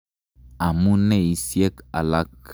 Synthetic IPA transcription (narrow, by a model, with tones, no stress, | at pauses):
a˨mũ˦nɛ˦˨i˦sjɛ˦ka̰˨la˦k